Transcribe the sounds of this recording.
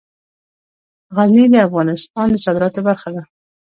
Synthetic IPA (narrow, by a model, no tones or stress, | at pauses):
ɣanid̪əafɣɑnɪst̪ɑnd̪əsɑd̪ɪɾɑt̪obaɾxad̪a